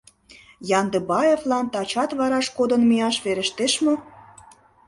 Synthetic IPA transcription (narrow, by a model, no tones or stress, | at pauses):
jɑnd̪ɤ̆bɑevlɑnt̪ɑt͡ɕɑt̪βɑɾɑʃkod̪ə̆nmiɑʃβeɾə̆ʃt̪eʃmo